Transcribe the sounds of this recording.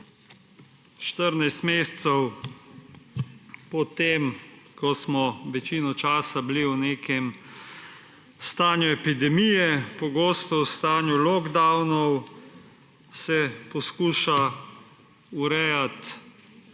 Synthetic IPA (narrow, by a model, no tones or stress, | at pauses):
ʃt̪əɾnajst̪meːst̪sɛw | pɔt̪emkɔsmɔʋɛt͡ʃinɔt͡ʃaːsabliwneːkɛm | st̪aːnjuɛpid̪ɛmijɛpɔɡoːst̪ɔwst̪aːnjulɔɡd̪awnɔw | sɛpɔskuːʃa | uɾɛjat̪